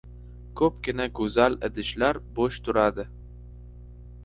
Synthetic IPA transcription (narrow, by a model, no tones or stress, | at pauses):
kʰɵp̚ɡʲɪnaɡɵzalɪ̰d̪ɪʃlaɾboʃt̪ʰʊɾad̪ɪ